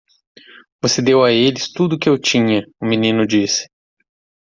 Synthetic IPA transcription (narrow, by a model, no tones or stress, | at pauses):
vosed̪ewaelɪst̪ud̪ʊkɪewt͡ʃĩɲɐʊminĩnʊd͡ʒisɪ̥